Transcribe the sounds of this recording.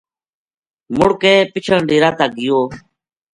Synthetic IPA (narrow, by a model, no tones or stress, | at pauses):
mʊɽkeːpɪt͡ʃʰəɳɖiːɾaːt̪aːɡɪjoː